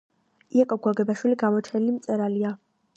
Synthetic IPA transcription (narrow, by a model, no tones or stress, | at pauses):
iakʼɔɡwaɡɛbaʃwiliɡamɔt͡ʃʰɛnilimt̪sʼɛɾalia